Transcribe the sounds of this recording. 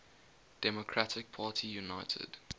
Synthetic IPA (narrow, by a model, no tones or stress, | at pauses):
d̥ɛmɔkʰɹatʰɪk̚pʰaːtʰijunaɪtʰə̰d̥